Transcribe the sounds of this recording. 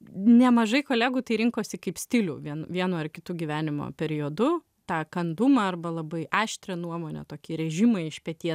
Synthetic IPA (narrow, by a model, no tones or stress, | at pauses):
nʲɛmɐʒɐɪkoːlʲæːɡuːt̪ɐɪɾʲɪŋkoːsʲɪkɐɪpsʲt̪ʲɪlʲṵːʋʲiɛnʋʲiɛnoːɪrkʲɪt̪uːɡʲiʋʲæːnʲɪmo̰ːpʲɛɾʲɪoːd̪ʊ | t̪ɑːkɐnd̪ʊmɐɐrbɐlˠɐbɐɪʔɑːʃʲt̪ʲɾʲɛnuɔmoːnʲɛ̰t̪oːkʲiːɾʲɛʒʲɪmɐɪɪʃpʲɛt̪ʲiɛ